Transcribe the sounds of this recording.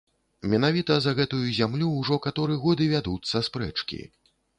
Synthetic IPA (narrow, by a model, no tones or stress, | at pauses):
mʲɛnavʲit̪ɐzɐɣɛt̪ujuzʲamlʲuːʐɔkat̪ɔɾɨɛɣɔd̪ɨvʲad̪ut̪sːɐspɾɛ̰t͡ʂkʲḭ